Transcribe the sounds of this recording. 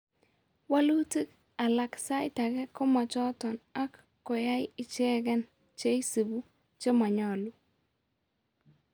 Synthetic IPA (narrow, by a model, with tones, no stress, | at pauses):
wa˦lu˦ti˦k | a˨la˨ksa˦ɪ˦ta˨ɡɛ˦kɔ˦ma˨t͡ʃɔ˦tɔ˨na˦kː | ɔ˨ja˦jɪ˦˨t͡ʃɛ˦ɡɛ˦n | t͡ʃe˦i˦si˨bu˦ | t͡ʃe˦ma˨ɲɔ˨lu˦